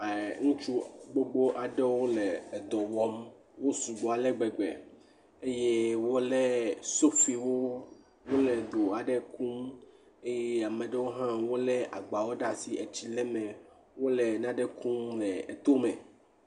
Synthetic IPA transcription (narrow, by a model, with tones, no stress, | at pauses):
e˨ŋũ˦t͡ʃu˦ɡ͡bo˦ɡ͡bo˦ʔa˨ɖɛ˦wo˦lɛ˨d̪ɔ˨wɔ˦m | wo˦su˨ɡ͡bo˨a˨lɛ˦ɡ͡bɛ˨ɡ͡bḛ˨ | e˦je˦wo˦le˦so˦fi˨wo˦ | wo˦lɛ˨d̪o˨a˨ɖɛ˦kũ˦m | e˦je˦a˨mẽ˨ɖe˦wo˦ɦã˦wo˦lɛ˦ʔa̰˨ɡ͡ba˨wo˦ɖa˦si˨ʔe˨t͡ɕi˦lɛ˦mẽ˨ | wo˦le˨nã˦ɖɛ˦kũ˦mlɛ˨t̪o˦mɛ̃˨